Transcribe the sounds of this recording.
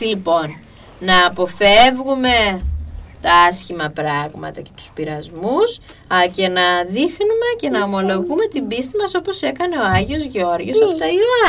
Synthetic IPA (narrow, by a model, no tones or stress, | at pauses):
lipo̞nː | ɐːpo̞fe̞vɣume̞ | t̪ɐɐsçimɐpɾɐɣmɐ̰t̪ɐce̞t̪u̥spiɾɐzmus | ce̞nɐðixnume̞ce̞nɐomo̞lo̞ɣume̞t̪imbist̪imɐso̞po̞se̞kɐne̞o̞ɐʝio̞zʝo̞ɾʝosɐpot̪ɐiɐ